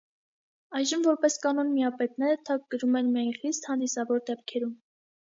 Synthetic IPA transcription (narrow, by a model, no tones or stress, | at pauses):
ɑjʒəmvɔɾpɛskɑnɔnmijɑpɛt̪̚nɛɾət̪ʰɑk̚ɡəɾumɛnmijɑjnχist̪hɑnd̪isɑvɔɾd̪ɛp̚kʰɛɾum